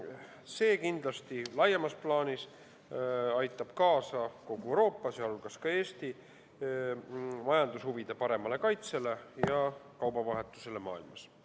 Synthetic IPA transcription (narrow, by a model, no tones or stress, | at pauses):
se̞ːkind̪̥lɑst̪ilɑjːemɑsplɑːnis | ɑjt̪ːˑɑb̥kɑːsɑko̞ɡ̥uewɾo̞ːpːˑɑsjɑɑɾulkɑskɑe̞ːst̪i | mɑjɑnd̪ushuvid̪̥e̞pɑɾe̞mɑle̞kɑjt̪se̞le̞jɑkɑwbɑvɑɦe̞t̪ːˑu̥se̞le̞mɑ̰ːilmɑs